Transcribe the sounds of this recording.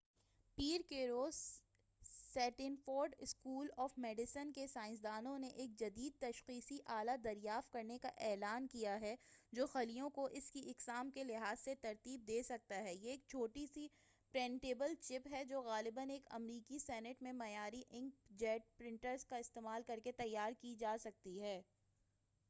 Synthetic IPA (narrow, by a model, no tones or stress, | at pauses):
piːɾkeɾoːz | sɛːʈɪ̃nfoːɾɖɪskuːlɔːfmɛːɖɪsənkesaːɪ̃ns̬d̪aːnõneʔeːk̚d͡ʒɐd̪iːd̪̚t̪ɐʃqiːsiʔaːlad̪ɐɾjaːft̪̚kɐɾnekaʔɛːlaːnkijaɦɛd͡ʒoːxɐlijõkoʔɪskiʔɪqsaːmkelɪɦaːzset̪ɐɾt̪iːb̚d̪eːsɐk̚t̪aɦɛːjeeːk̚t͡ʃʰoːʈisi | pɾɛ̃ːɳʈeːbəlt͡ʃɪpɦɛd͡ʒoːɣaːlɪbəneːkɐ̰mɾiːkisɛːnɪʈmẽmɐjaːɾiʔɪ̃ŋɡd͡ʒɛːʈ̚pɾɪ̃ɳʈəɾzkaɪst̪eːmaːlkɐɾket̪ɐjːaːɾkid͡ʒaːsɐk̚t̪iɦɛː